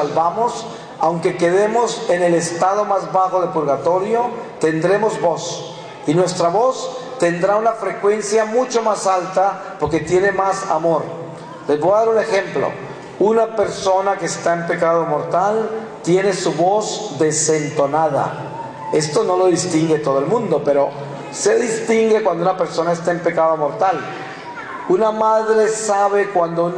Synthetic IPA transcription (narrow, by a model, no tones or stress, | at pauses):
alβamo̞s | awŋke̞ke̞ðe̞mo̞se̞ne̞le̞st̪að̞omazβaxo̞ðepuɾɣat̪o̞ɾjo̞t̪e̞nd̪ɾe̞mo̞zbo̞s | inwe̞st̪ɾaβo̞st̪e̞nd̪ɾaunafɾe̞kwe̞nsjamut͡ʃo̞masalt̪a | po̞ɾke̞t̪je̞ne̞masamo̞ɾ | lezβojaðaɾune̞xe̞mplo̰ | unape̞ɾso̞nakeːst̪aempe̞kað̞o̞mo̞ɾt̪al | t̪je̞ne̞suβo̞zd̪e̞se̞nt̪o̞naða̰ | e̞st̪o̞no̞lo̞ðist̪iŋɡet̪o̞ðoelmũnd̪o̞pe̞ɾo̞ | se̞ðist̪iŋɡekwand̪ounape̞ɾso̞naest̪eempe̞kaðomo̞ɾt̪al | unamaðɾe̞saβe̞kwand̪ou